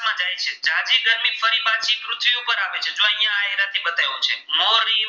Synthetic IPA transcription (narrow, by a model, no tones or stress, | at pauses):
mãd͡ʒajt͡ʃʰed͡ʒãd͡ʒiɡəɾmifəɾibãt͡ʃikɾʊt̪ʰʋiupəɾaʋet͡ʃʰed͡ʒoəɦjãːjɾat̪ʰibət̪alũt͡ʃʰemoɾi